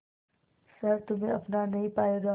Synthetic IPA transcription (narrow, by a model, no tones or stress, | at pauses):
sɐɾt̪ʊm̤ẽɐpnanɐɦĩpaːeɡ̪a